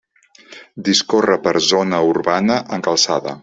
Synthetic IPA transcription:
d̪iskorəpəɾzonəurβanəʔəŋkəlˠsaðə̰

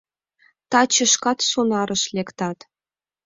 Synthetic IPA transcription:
t̪ɑt͡ɕɤ̆ʃkɑt̪ʃonɑɾɤ̆ʃlʲekt̪ɑt̪

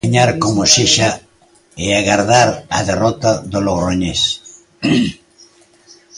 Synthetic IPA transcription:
ɲaɾkomʊsiʃa | eaɣaɾðaɾa̰ðerɔt̪aðoloβɾoɲes

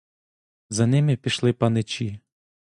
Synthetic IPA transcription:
zɐnɪmɪpʲiʃlˠɪpɐnɪt͡ʃi

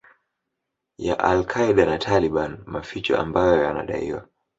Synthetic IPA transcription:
jaʔalkʰaiɗanatʰaliɓanmafit͡ʃɔ̰ʔambajɔjana̰ɗa̰ḭwa̰

